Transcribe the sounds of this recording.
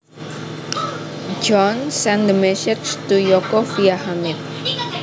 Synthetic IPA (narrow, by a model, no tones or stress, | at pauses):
d͡ʒɔnsɛ̃nd̪əmɛʃɪkst̪ujokofiahamɪt̪̚